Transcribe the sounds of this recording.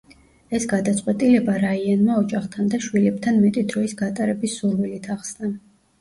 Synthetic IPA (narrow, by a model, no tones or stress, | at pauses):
ɛsɡad̪at̪sʼqʼwɛt̪ʼilɛbaɾaianmaɔd͡ʒaχt̪ʰand̪aʃwilɛp̚t̪ʰanmɛt̪ʼid̪ɾɔisɡat̪ʼaɾɛbisːuɾwilit̪ʰaχsna